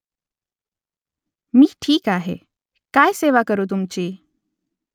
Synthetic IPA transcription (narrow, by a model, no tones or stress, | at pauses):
miːʈʰiːkaɦḛ | kajseʋakəɾut̪̬umt͡ɕiː